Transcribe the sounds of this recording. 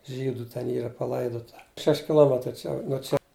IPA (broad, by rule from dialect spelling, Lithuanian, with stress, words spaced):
ˈʒʲiːdʊ tʲɛn ˈiːrɐ pɐˈlˠɐɪdoːtɐ ˈʃʲɛʃʲ kʲɪˈlˠoːmʲɛtrɐɪ ˈt͡ʃʲɛ nuɔ ˈt͡ʃʲɛ